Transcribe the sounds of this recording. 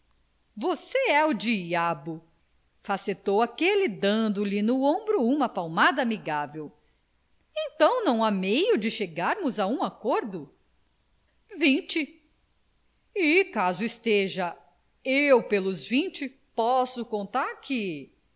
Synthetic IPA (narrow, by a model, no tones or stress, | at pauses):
voseɛʊd͡ʒiabʊ | faset̪owakelɪd̪ɐ̃nd̪ʊlɪnʊõbɾʊũmɐpawmad̪ɐaːmiɡavew | ẽt̪ɐ̃w̃nɐ̃w̃amejʊd͡ʒɪʃeɡaɾmʊzaũakoɾd̪ʊ | vĩt͡ʃɪ | ikazʊist̪eʒɐ | ewpelʊzvĩt͡ʃɪ | pɔsʊkõnt̪aɾkʰɪ